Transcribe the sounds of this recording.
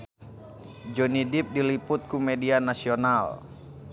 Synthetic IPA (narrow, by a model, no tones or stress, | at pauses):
d͡ʒɔnidip̚diliput̪̚kumɛdianasional